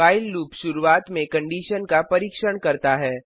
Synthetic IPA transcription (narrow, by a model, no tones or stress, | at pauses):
aːɪlːuːpʃʊɾuaːt̪mẽkɐ̃ɳɖiːʃənkapɐɾiːkʃəɽkɐɾt̪aɦɛː